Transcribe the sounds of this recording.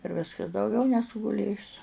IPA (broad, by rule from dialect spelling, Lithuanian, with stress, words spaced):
ɪr ˈʋʲɪskɐs dɐʊˈɡʲɛʊ nʲɛˈsʊ ɡʊˈlʲeːjʊs